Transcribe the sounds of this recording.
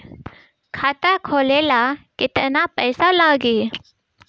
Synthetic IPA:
kʰaːt̪akʰoːlelakɪt̪napəjsalaːɡeː

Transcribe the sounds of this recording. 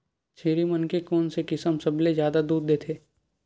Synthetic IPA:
t͡ʃʰeːɾimɐnkekoːnsekɪsəmsɐblezjaːd̪ad̪uːd̪̚d̪eːt̪ʰeː

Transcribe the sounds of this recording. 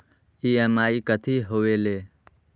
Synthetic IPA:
iːemaːikət̪ʰiːɦoːʋeːleː

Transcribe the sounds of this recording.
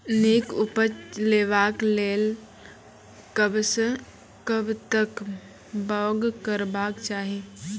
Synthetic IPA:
neːkʊpət͡ʃleːʋaːkleːl | kəbsə | kəbt̪ək | baːɡkəɾbaːkt͡ʃaːɦi

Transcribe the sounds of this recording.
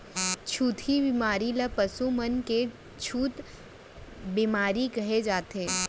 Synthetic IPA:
t͡ʃʰuːt̪ʰibimaːɾilɐpɐsumənke | t͡ʃʰuːt̪ | bimaːɾikɐɦed͡ʒaːt̪eː

